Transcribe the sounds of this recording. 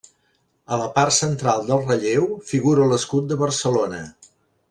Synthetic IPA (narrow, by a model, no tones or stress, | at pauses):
ələpart̪sənt̪ɾalˠd̪əlˠrəʎewfiɣuɾələskut̪̚d̪əβərsəlonə